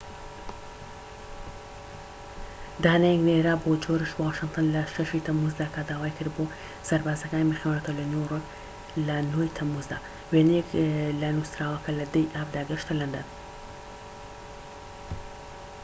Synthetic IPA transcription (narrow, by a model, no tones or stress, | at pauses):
d̪aːnajɛɡneɾaːbod͡ʒoɾɨʃwaːʃɨŋt̪ʰɨnlɐʃɐʃit̪ʰɐmuzd̪aːkad̪aːwaːjkɨɾd̪bo | sɐɾbaːzɐkaːnimexemaat̪ʰolɐnoro | lɐnoːjt̪ʰɐmuzd̪a̰ː | weneklɐnusɾaːwɐkɐlɐd̪ejʔaːbd̪aːɡɨʃt̪ɐlɐnd̪ɐn